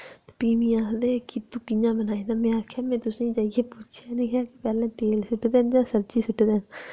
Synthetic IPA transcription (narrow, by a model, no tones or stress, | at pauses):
piːmĩːaːkʰd̪eːkɪt̪ũːkɪjãːbənaːĩːd̪aːmɛ̃ːaːkʰaːmɛ̃ːt̪ʊsĩːd͡ʒaːijeːput͡ʃʰaːnẽːkʰaːkɪpɛːlɛ̃ːt̪eːlsʊʈːd̪eːnd͡ʒãːsəɾt͡ʃiːsʊʈːd̪eːn